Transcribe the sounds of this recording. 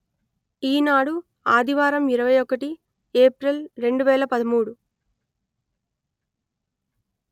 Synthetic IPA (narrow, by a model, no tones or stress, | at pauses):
iːnaːɽu | aːd̪ʱiʋaːɾɐmiɾɐʋɐjɔkɐʈi | eːpɾelɾe̞ɳɖuʋɛːlɐpɐd̪ɐmuːɽu